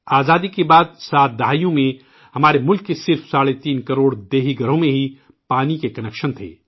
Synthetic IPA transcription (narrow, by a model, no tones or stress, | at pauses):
aːzaːd̪ikebaːd̪saːt̪̚ʰd̪ɐɦaːjõmẽ | hɐmaːɾemʊlkːesɪɾfsaːɽet̪iːnkɐɾoːɽd̪eːɦiɡʱɐɾõmẽɦi | paːnikekɐnɛkʃənt̪ʰḛː